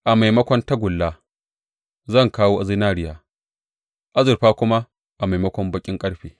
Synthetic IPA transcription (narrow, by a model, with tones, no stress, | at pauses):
ʔa˨ma˨jmɐ˦kʷɔ˦nta˦ɡʷʊ˨lːaː˦ | zɐ˦˨ŋkaː˦woː˦ʔa˨zi˦naː˦ɽɪ˦jaː˦ | ʔa˦zʊ˨rɸaː˦kʷʊ˦ma˦ | ʔa˨ma˨mɐ˦kʷɔ˦mbɐ˨kʲʼɪ˦ŋkʼɐ˦ɽɸeː˨